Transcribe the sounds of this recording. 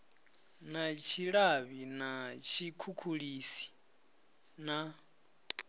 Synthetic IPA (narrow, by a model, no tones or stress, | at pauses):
nat͡ʃʰiɺaβinat͡ʃʰikʰukʰuɺiːsi̥ | na